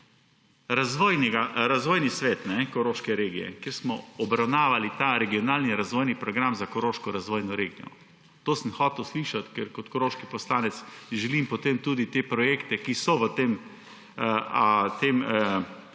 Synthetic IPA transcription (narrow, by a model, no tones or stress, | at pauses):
ɾazʋɔːjnɛɡaɾazʋɔːjnisʋeːt̪nɛkɔɾoʃkɛɾeːɡijɛ̰keːɾsmɔɔbɾawnaːʋalit̪aɾɛɡiɔnaːlniɾazʋɔjnipɾɔɡɾamzakɔɾoːʃkɔɾazʋɔːjnɔɾeːɡijɔ̰ | t̪oːsənxɔːt̪ɛwsliʃat̪kɛɾkɔt̪kɔɾoːʃkipɔslaːnɛt̪sʒɛlimpɔt̪emt̪uːd̪it̪epɾɔjeːkt̪ɛkisɔʋət̪em | t̪em